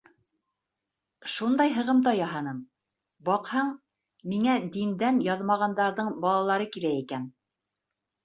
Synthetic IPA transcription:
ʃund̪ɑjɦɤ̆ʁɤmd̪ɑjɑɦɑnɤm | bɑqhɑɴ | miŋæd̪ind̪ænjɑðmɑʁɑnd̪ɑɾðɤɴbɑlˠɑlˠɑɾɤkilæikæn

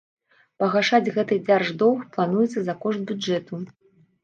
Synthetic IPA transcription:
pɐɣaʂad͡zʲɣɛt̪ɨd͡zʲarʐd̪ɔwxplˠanujɛt̪sːɐzɐkɔʂt̪̚bʲudɛt̪u

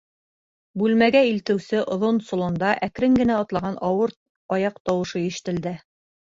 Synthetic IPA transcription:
bʉlmæɡæilt̪ɘ̆wsɘʔŏðonsŏlˠŏnd̪ɑʔækɾɘŋɡɘ̆næɑt̪lˠɑʁɑnʔɑwɤɾ | ɑjɑqt̪ɑwɤ̆ʃɤiʃɘ̥̆t̪ɘ̆ld̪ɘ

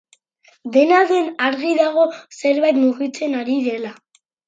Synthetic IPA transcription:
d̪e̞naðe̞naɾɣiðaɣ̞o̞se̞ɾβajt̪muɣit͡se̞naɾiðe̞la

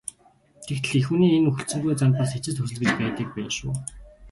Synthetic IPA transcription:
t̪ʰekt̪ʰɘ̆ɮexuːniːenuxɵ̆ɬt͡sɵ̆ŋɡujt͡sant̪̚pas̬et͡ɕɪ̆st̪ʰɵs̬ɵ̆ɮɡɘ̆t͡ɕpæːt̪iːk̚pænʃṵː

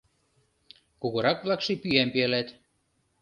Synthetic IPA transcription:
kuɣɤ̆ɾɑkβlɑkʃepyæmpiælæt̪

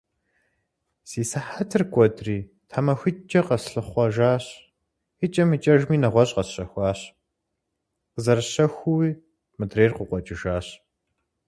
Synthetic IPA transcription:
siːsaħatʰɨrɡʷʼɔdriː | tʰamɐxʷɪt͡ʃʼːɐqɐsɬɨχʷɔʒaːɕ | ɪt͡ʃʼɐmit͡ʃʼɐʒmiːnɐʁʷɔɕʼqɐsɕɐxʷaːɕ | qəzɐrɕɐxʷʊwiː | mɨdreːrqʊqʷɔt͡ʃʼɪʒaːɕ

